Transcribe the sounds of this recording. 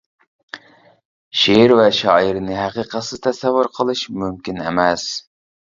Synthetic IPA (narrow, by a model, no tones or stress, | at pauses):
ʃeɾvɛʃɑːiɾnɪɦæqiqət̪sɨz̥t̪ʰɛsɛvːuɾqʰəlˠɨʃmymkʲinɪ̰mɛs